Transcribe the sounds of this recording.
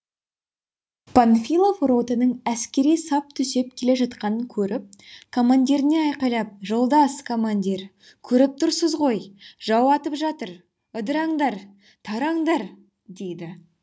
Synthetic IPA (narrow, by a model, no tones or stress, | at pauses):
pʰonfilˠofro̞t̪ənəɴæskʲe̞ɾijsɑp̚t̪ʰʏse̞p̚kʲʰe̞le̞ʒɑt̪qɑnəŋkʲʰɵɾɪp̚kʰo̞mand̪ʲiɾɪne̞ɑjqɑjlˠɑp̚ʒo̞lˠd̪ɑskʰo̞mand̪ʲiɾ | kʲʰɵɾɪp̚t̪ʰʊɾsəzʁo̞jʒɑwɑt̪əpʒɑt̪əɾ | əd̪əɾɑɴd̪ɑɾ | t̪ʰɑɾɑɴd̪ɑɾ | d̪e̞jd̪ɪ